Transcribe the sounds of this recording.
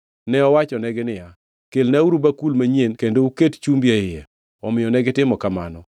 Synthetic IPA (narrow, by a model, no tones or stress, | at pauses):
nɛɔwat͡ʃɔnɛɡɪnɪja | kelnauɾubakulmaɲenkendoukett͡ʃumbjaɪje | ɔmɪjɔnɛɡɪtɪmɔkama̰nɔ